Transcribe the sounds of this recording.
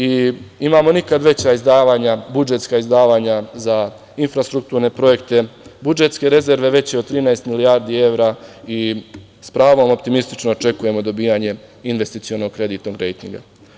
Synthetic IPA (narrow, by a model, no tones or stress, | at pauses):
iimaːmo̞nikad̪ʋe̞t͡ɕaizd̪aːʋaːɲabud͡ʒe̞t̪skaizd̪aːʋaːɲaza | infɾast̪ɾuk̚t̪uːɾne̞pɾo̞je̞kt̪e̞bud͡ʒe̞t̪ske̞ɾe̞ze̞ɾʋe̞ʋe̞t͡ɕjeod̪̚t̪ɾiːnaest̪milijaːɾd̪iːe̞ʋɾaːi | spɾaːʋo̞mo̞pt̪imist̪i̥t͡ʃnoːt͡ʃe̞kuje̞mo̞d̪o̞biːaɲe̞inʋe̞st̪it̪ijo̞no̞ɡ̚kɾe̞d̪iːt̪noɡɾe̞jt̪ḭŋɡa̰